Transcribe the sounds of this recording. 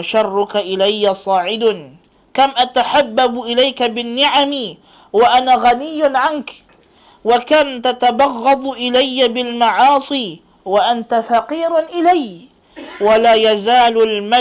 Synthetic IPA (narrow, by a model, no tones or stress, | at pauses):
ʃɑrˤːʊkaʔɪlajːasˤɑːʕɪd̪ | kamʔat̪aħabːabʔɪlajkabɪnːɪʕamɪ | waʔanaːɣanɪjːnʕank | wakamt̪at̪abɑɣːɑd̪ˤʔɪlajːabɪlmɑʕɑːsˤiː | waʔant̪afaqiːɾʔɪlaj | walaːjazaːlʊlma